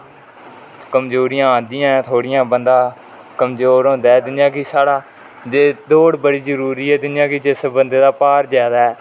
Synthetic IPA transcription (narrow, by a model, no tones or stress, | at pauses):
kəmd͡ʒoːɾiːãːãːnd̪ɪjãːt̪ʰoːɽɪjãːbənd̪ãː | kəmzoːɾɦõːnd̪ɛːd̪ɪnjãːkɪsaːɽaː | d͡ʒeːd̪oːɽbəɽiːd͡ʒəɾuːɾiːɛːd̪ɪnjãːkɪd͡ʒɪsbənd̪eːd̪aːpaːɾd͡ʒaːd̪aːɛː